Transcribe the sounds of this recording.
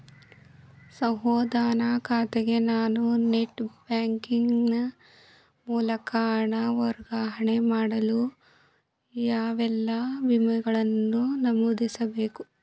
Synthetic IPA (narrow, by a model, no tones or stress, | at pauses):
sɐɦɔːd̪aːnakʰaːt̪eɡe̞naːnuneʈbaːŋkiŋɡnɐ | muːlɐkaːɳɐʋɐɾɡaːɦɐɳemaːɽɐlu | jaːʋɛlːɐʋimɐɡɐɭɐnːunɐmuːd̪isɐbeːku